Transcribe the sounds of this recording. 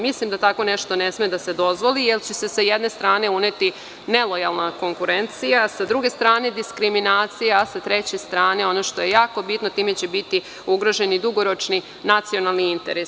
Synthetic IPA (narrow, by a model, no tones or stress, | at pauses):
mislimd̪at̪ako̞ne̞ʃt̪o̞nesmed̪ase̞d̪o̞zʋo̞lijelt͡ɕese̞sajed̪ne̞st̪ɾaːne̞une̞t̪i | ne̞lo̞jalˠnako̞ŋkuɾe̞nt̪sijasad̪ɾuɡe̞st̪ɾaːne̞d̪iskɾiminaːt̪sijaːsat̪ɾe̞t͡ɕe̞st̪ɾaːne̞o̞noʃt̪o̞je̞jaːko̞bit̪no̞t̪iːme̞t͡ɕe̞bit̪i | uɡɾo̞ʒe̞nid̪uɡo̞ɾo̞t͡ʃni | nat̪sio̞nalˠniint̪e̞̰ɾes